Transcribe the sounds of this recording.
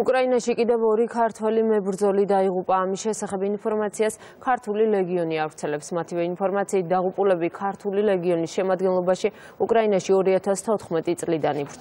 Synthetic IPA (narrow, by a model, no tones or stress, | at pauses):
ukʼɾainaʃikʼid̪ɛvɔɾikʰaɾt̪ʰwɛlimɛbɾd̪zɔlid̪aiʁupʼaːmisʃɛsaχɛbinpʰɔɾmat̪sʰias | kʰaɾt̪ʰuliɾɛɡiɔniavɾt̪sʰɛlɛpsmat̪ʰivɛinpʰɔɾmat̪sʰiːt̪̚d̪aʁupʼulɛbikʰaɾt̪ʰuliɾɛɡiɔnisʃɛmad̪ɡɛnlˠɔbaʃi | ukʼɾainaʃiɔɾiat̪ʰast̪ʰɔt̪ʰχmɛt̪ʼit̪sʼlid̪anibɾ